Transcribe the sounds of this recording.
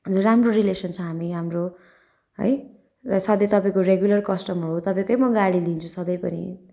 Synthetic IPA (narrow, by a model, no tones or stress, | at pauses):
ʌd͡zuramroɾilesʌnt͡sʰʌ̃ɦamiɦamro | ɦʌ̰j | rʌsʌd̪ʌjt̪ʌpaĩkoreɡjulʌrkʌsʈʌmɦʌɾuɦot̪ʌpaẽkʌjmʌɡaɽilint͡sʰũsʌd̪ʌjpʌnḭ